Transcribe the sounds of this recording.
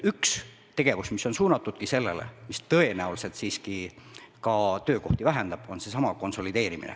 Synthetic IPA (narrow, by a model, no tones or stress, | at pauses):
yks | t̪e̞ɡ̥e̞vusmiso̞nsuːnɑt̪ːˑud̪̥̚kise̞lːe̞le̞̰mist̪ɤe̞næulse̞t̪siːskikɑt̪ø̞ːko̞ht̪ivæɦe̞nd̪̥ɑb̥o̞nse̞sɑmɑko̞nso̞lid̪e̞ːɾimḭnḛ